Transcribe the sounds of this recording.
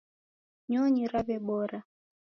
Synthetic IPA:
ɲɔɲiɾaβɛɓɔɾa

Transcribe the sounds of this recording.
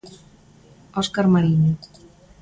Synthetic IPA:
oskaɾmaɾini

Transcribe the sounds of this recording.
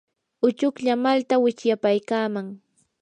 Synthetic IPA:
ʊt͡ʃʊkʎamalt̪awɪt͡ʃjapajkaːmaŋ

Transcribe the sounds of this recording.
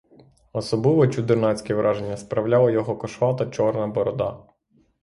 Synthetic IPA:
ɔsɔblˠɪʋɔt͡ʃud̪ernɑt͡sʲkʲɛʋɾʔɑʒenʲːɐspɾɐwlʲalˠɔjɔɦɔkɔʃʋɑt̪ɐt͡ʃɔrnɐbɔɾɔd̪ɑ̰

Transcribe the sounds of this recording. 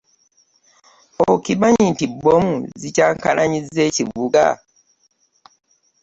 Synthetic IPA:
okibaɲintibːomuzicaːŋkalaɲizːeːciβuɡa̰

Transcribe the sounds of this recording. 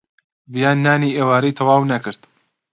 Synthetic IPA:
bijaːnːaːniʔeːwaːɾijt̪ʰɐwaːwnɐkɨɾt̪

